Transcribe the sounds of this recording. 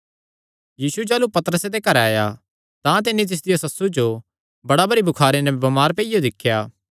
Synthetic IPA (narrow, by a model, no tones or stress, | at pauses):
jiːsud͡ʒɛːlupɐt̪əɾəsed̪ekɐɾaːja | t̪ãt̪ɪnit̪̬ɪs̬d̪ɪjasɐsːud͡ʒo | bɐɽabɐɾibʱʊkʰaːɾenɛbɐmaːɾpeːijod̪ɪkʰːjaː